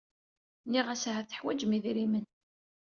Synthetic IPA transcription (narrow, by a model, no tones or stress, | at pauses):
niʁæsɦæθə̥ħwæd͡ʒmiðiɾimən